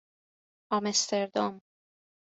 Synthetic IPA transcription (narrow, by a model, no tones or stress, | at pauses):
ɒmest̪ʰeɾd̪om